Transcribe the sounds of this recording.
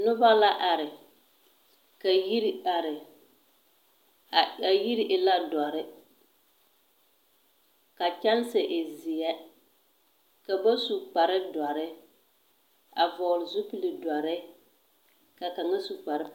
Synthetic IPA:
nʊ˦ba˦la˦ʔa˨ɾɪ˨ | ka˨ji˦ɾi˦a˨ɾɪ˨ | a˨ji˦ɾi˦ʔɪ˨la˦dɔ˨ɾɪ˦ | ka˨t͡ʃa˦n˦sɪ˨ʔɪ˨zi˨ɛ˦ | ka˨ba˦su˨k͡pa˨ɾɪ˦da˨ɾɪ˦ | a˨vɔ˨lɪ˨zʊ˦pi˨li˨dɔ˨ɾɪ˦ | ka˨ka˨ŋa˦su˨k͡pa˨ɾɪ˦

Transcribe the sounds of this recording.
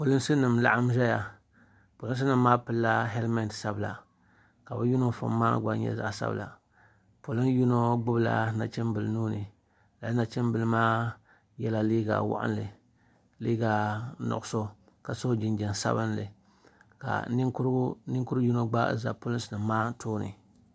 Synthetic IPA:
po˨lɨ˦nsɨ˦nɨ˨mla˦ʔa˦m˦ʒɛ˦ja˨ | po˨lɨ˦n˦s̬ɨ˦nɨ˨mːaː˦pɨ˨˦lːa˦ɦɛ˦lma˦ndsa˦bɨ˨la̰˨ | ka˨bɨ˦ju˦no˦fʊ̰˨mːa̰ː˦ɡ͡ba˦ɲɛ̰˦za̰˨ʔsa̰˦b̰la̰˨ | po˨lɨ˦nju˦no˦ɡ͡bʊ˦bla̰˨na˨t͡ʃɛ˦nbɨ˨lnuː˦nɨ˨ | la˨˦na˨t͡ʃɛ˦mbɨ˨lɨ˦maː˦ | jɛ˦la˨liː˦ɡa̰˨wa̰˦ʔa̰˦nlɨ˨ | liː˦ɡa˨nɔ̰˨ʔʊ˦so˦ | ka˨so˦d͡ʒɪ˨nd͡ʒɛ˨n˨sa̰˦bɨ˦nlɨ̰˨ | ka̰˨˦ɾnɪ˦ŋku˦ɾɨ˦ju˦no˦ɡ͡ba˦za̰˨pʊ˦lɨ˦nsɨ˨nɨ˨maː˦tʰoː˦nɨ̰˨

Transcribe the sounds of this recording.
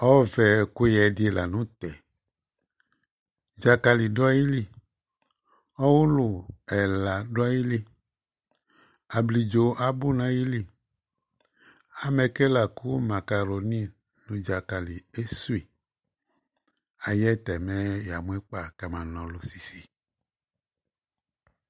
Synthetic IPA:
ɔ˦vɛ˨ku˦jɛ˨di˦e˨la˨nũ˦t̪ɛ˨ | d͡ʒa˨ka˨li˨da˦ji˦li˦ | ɔ˦wu˦lʊ˨ɛ˨la˨ɖo˦a˦ji˦li˦ | a˨bli˨d͡ʒo˨ʔa˨bu˦nã˦ji˦li˦ | a˨mɛ˨kɛ˦la˨ku˦ma˨ka˨ɾo˨nĩ˦ | lu˨d͡ʒa˨ka˨li˨e˦su˦i˨ | a˨jɛ˦t̪ɛ˨mɛ̃˦ja˨mũ˦ɛ˦k͡pa˨ka˨mã˨nɔ̃˨lo˨si˨si˨

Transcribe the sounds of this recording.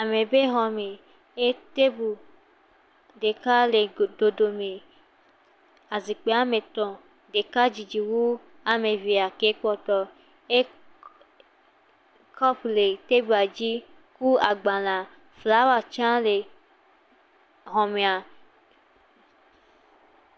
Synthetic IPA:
a˨me˨be˦ɦɔ˨me˨ | e˦te˦bu˨ | de˨ka˦le˨do˨do˨me˨ | a˨zi˨k͡pe˨˦a˦me˨t̪ɔ̃˨ | de˨ka˦d͡ʒi˨d͡ʒi˨wu˦ | a˨me˨vi˨a˨ke˨˦k͡pɔ˦tɔ˨ | e˦ | kʰɔ˦ple˨te˦bu˨˦a˨d͡ʒi˦ | ku˦a˨ɡ͡ba˨lã˨ | fla˨˦wa˨t͡ʃã˦le˨ | ɦɔ˨me˨a˨

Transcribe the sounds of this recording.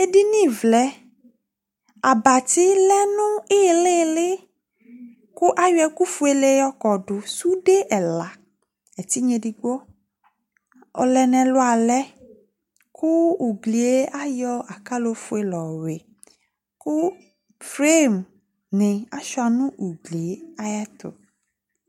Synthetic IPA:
e˦ɖi˦nĩ˦˨vlɛ˨ | a˨ba˨t̪i˦lɛ˦nũ˦e˦˨le˦˨le˦ | ku˦ʔa˦jɛ˦ku˦fu˦e˦le˦jɔ˦kɔ˨ɖo˨su˦ɖe˦ʔɛ˨la˨ | e˨t̪i˦ɲẽ˨di˨ɡ͡bɔ˦ | ɔ̰˨lɛ˨nɛ̃˨lo˦a˨lɛ˦ | kʰu˦u˨ɡli˨e˦ʔa˦jɔ˦a˨ka˦lo˦fu˦e˨lɔ˨we˨ | ku˦ | fɾe˦˨m | nẽ˨a˨ʃɔ˦a˨nũ˦ʔu˨ɡli˨e˦a˦ja˦t̪o̰˨

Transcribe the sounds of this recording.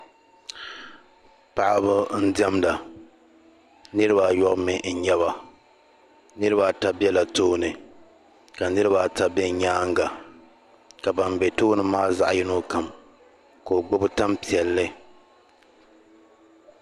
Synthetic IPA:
pa˨ʔa˦bɨ˦n̩˦dɛ˦mda˨ | nɨ˦ɾɨ˦ba˨jɔ˦ʔmɪ˨n̩˨ɲɛ˦βa˨ | nɨ˦ɾɨ˦ba˨ta˦bɛ˦la˨toː˦nɨ˨ | ka˨nɨ˦ɾɨ˦ba˨ta˦bɛ˦ɲaː˦ŋɡa˨ | ka˨ba˨mbɛ˨toː˦nɨ˦maː˦za˦ʔjɪ˦no˦ka˨m | ko˨o˨ɡ͡bʊ˦bɨ˦ta˦mpi˨ɛ˨lːɨ˦

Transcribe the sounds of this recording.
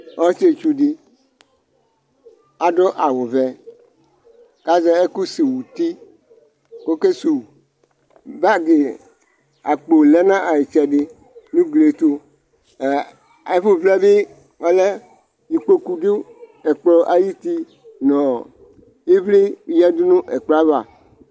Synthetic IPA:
ɔ˦se˨t͡ʃu˦ɖi˦ | a˨ɖɔ˦ʔa˨wo˨vɛ˨ | ka˦zɛ˦e˦ku˦si˨wu˨t̪i˦ | ko˦ke˦su˨ | ba˦ɡe˨ | a˨k͡po˨lɛ˦nã˦ʔa˨je˨t͡ʃɛ˨ɖe˦ | nũ˦ɡle˨t̪o˦˨ | e˨˦fo˦vlɛ˦be˦ | ɔ˦lɛ˦ | ji˨k͡po˦ku˨ɖe˦e˨k͡plɔ˦ʔa˨ji˦t̪i˦ | nɔ̃˨ | e˦vle˦˨jɛ˦d̪u˦nũ˦ʔe˨k͡plɔ˨˦a˦va˨

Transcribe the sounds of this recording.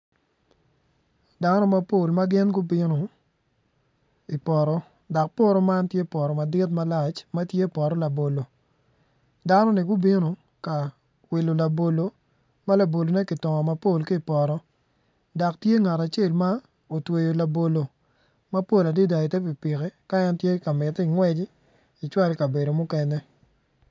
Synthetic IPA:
da˦nɔ˦ma˦po˦˨lma˦ɡɪ˦nɡʊ˦bɪ˦no˨ | i˨pɔ˨ɾɔ˨ | da˨k̚po˦ɾɔ˦ma˦ntje˦pɔ˨ɾɔ˨ma˨dɪ˦tma˦la˨t͡ʃma˦tje˦˨pɔ˨ɾɔ˦la˨bo˨lo˨ | da˦nɔ˦nɪ˨ɡʊ˦bi˦no˨ | ka˨ | wi˨lo˨la˨bo˨lo˨ | ma˦la˨bo˨lo˨nɛ˦ki˨tɔ˨ŋɔ˨ma˨po˦˨lki˦i˨pɔ˨ɾɔ˦ | da˨ktje˦ŋa˨ta˨t͡ʃe˦˨lma˦ | o˨twe˨jo˨la˨bo˨lo˨ | ma˦po˦˨la˨di˦da˨i˨tɛ˦p̬i˨pi˨kɛ˦ka˦ɛ˦ntje˦ka˨mɪ˨ti˨ŋwɛ˦d͡ʒ | i˨t͡ʃwa˦lka˨be˨do˨mʊ˦kɛ˦nɛ˦

